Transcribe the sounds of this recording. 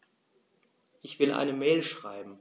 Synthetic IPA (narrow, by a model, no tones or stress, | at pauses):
ʔɪçv̥ɪlʔa̰ɪnəmɛːlʃʁ̥a̰ɪbm̩